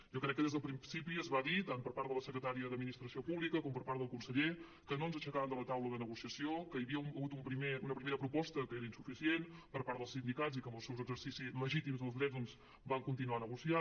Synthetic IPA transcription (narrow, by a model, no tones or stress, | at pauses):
ʒɔkɾɛkːəðezðəlˠpɾinsipiəzβaðit̪ampəɾpaɾələsəkɾət̪aɾiəðəd̪minist̪ɾəsiopuβlikəkɔmpəɾpaɾt̪əlˠkunsəʎe | kənoənzəʃəkaβənd̪ələt̪awləðənəɣusiəsiokəjβiəuəɣut̪umpɾimeunəpɾimeɾəpɾupɔst̪əkəeɾəinsufisienpəɾpaɾt̪d̪əlˠsind̪ikazikəmbəlˠsɛwzəɡzəɾsisizləʒit̪imzðəlˠzðɾɛðɔnz | baŋkunt̪inuanəɣusia